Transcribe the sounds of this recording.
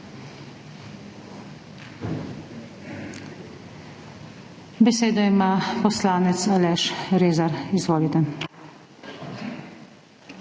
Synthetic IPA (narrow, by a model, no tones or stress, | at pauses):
bɛseːd̪ɔimaːpɔslaːnɛt̪salɛʃɾeːzaɾizʋoːlit̪ɛ